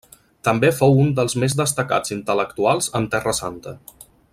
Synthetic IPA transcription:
t̪əmbefowund̪əlˠzmezd̪əst̪əka̰d͡zint̪ələkt̪ualˠzənt̪ɛrəsant̪ə

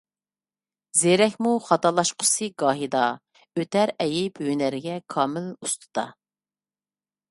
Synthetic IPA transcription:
zeɾɛkʲmuχɑt̪ɑlˠɑʃqʰʊ̥sɨɡɑːɦid̪ɑ | øt̪ʰæɾɛjɪpønæɾɪɡʲɛkʰɑːmɪlust̪ʰɨ̥d̪̥ɑ̰

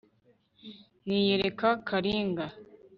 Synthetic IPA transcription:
nijeɾekakʰaɾiːŋɡa

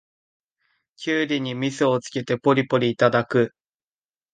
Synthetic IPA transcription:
kʲɨːɾʲiɲ̟imʲisɨot͡sɨ̥ke̞t̪e̞po̞ɾʲipo̞ɾʲiːt̪ad̪akɯ̟

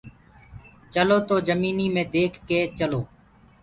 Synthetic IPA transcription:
t͡ʃəloːt̪oːzəmiːniːmẽːd̪eːkʰːeːt͡ʃəloː

